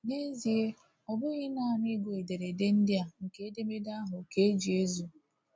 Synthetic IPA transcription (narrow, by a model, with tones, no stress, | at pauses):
ne˦zi˨e˦ | ɔ˨bʊ˦ɣɪ˦na˦˨m˦ɪ˦ɡo˨e˨de˨ɾe˨de˦n̩˦dɪ˦a˨ŋ̩˨ke˦e˦de˦me˦da˦ɦʊ˨ke˦e˦d͡ʒi˨e˦zu˨